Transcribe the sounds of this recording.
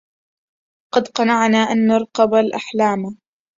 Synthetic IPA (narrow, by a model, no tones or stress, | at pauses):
qɑd̪qɑnɑʕnaːʔanːɑɾˤqɑbalʔaħlaːma